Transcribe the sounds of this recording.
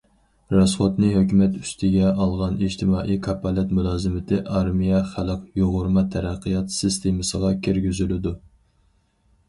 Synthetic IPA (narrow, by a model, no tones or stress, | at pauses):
ɾɑsχot̪nɪɦøkʲymɛt̪y̥st̪ʰɪɡʲɛʔɑlˠʁɑniʒt̪ʰɪmɑːʔijkʰɑpːɑlɪt̪mulˠɑːzɨmɪt̪ʰɪʔɑɾmijɛχæləqjoʁʊɾmɑt̪ʰɛɾæqʰːəjɑt̪sɨst̪ʰemɨsəʁɑkʲʰiɾɡʲyzylɪd̪u